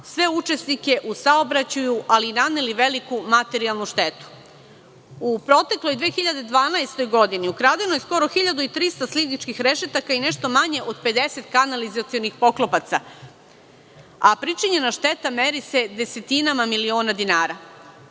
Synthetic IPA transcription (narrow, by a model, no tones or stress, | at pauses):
sʋe̞ut͡ʃe̞snike̞ʔusao̞bɾat͡ɕujuʔalinaneliʋe̞likumat̪e̞ɾialˠnuʃt̪e̞t̪u̥ | upɾo̞t̪e̞klo̞jd̪ʋeːxiʎad̪e̞d̪ʋaːnajst̪o̞jɡo̞d̪iniukɾaːd̪eno̞jesko̞ɾo̞xiʎad̪uit̪ɾist̪aslinit͡ʃkixɾe̞ʃet̪akaine̞ʃt̪omaɲe̞ʔo̞d̪pe̞d̪e̞se̞t̪kanalizat̪sio̞nixpo̞klˠo̞pat̪sa | apɾit͡ʃiɲe̞naʃt̪e̞t̪ame̞ɾise̞d̪e̞se̞t̪inamamilio̞ːnad̪inaːɾa